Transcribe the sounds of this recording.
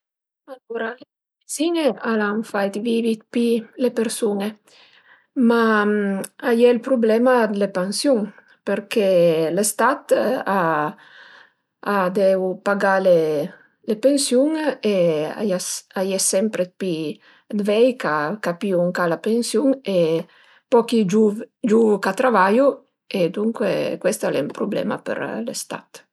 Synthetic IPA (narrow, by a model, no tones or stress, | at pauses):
aluɾale | izinealaŋfajt̪vivit̪̚pilepeɾsune | ma | ajɛlpɾublɛmad̪lepansjuŋ | peɾkelest̪at̪a | ad̪ɛwpaɡale | lepensjuŋea̰jasajɛsɛmpɾepi | d̪vɛjkakapiuuŋkalapensjuŋe | pɔkid͡ʒuvd͡ʒuvkat̪ɾavaju | ed̪uŋkwḛkwest̪alḛmpɾublɛ̰ma̰pḛɾlḛst̪a̰t̪